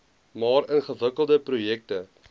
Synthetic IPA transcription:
mɑːɾənχəvəkəlˠdəprujɛk̚tə

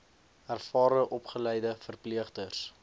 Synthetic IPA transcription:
ærfɑːɾəʔɔpχəlɛjdəfərpliəχdərs

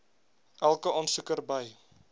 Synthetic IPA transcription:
ʔælˠkəʔɑːnsəkərbəj

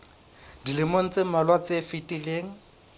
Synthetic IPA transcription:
dilɪmon̩t͡sʼemalwat͡sefitʼileːŋ̩

